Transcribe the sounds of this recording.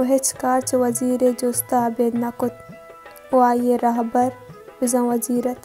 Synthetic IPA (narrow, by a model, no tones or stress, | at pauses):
ɦet͡ʃʰkaːɾt͡ʃwɐziːɾed͡ʒost̪aːbeːd̪nɐkʊt̪̚ | ʊaːjeɾɐɦbɐɾbɪzɐ̃wɐziːɾɐt̪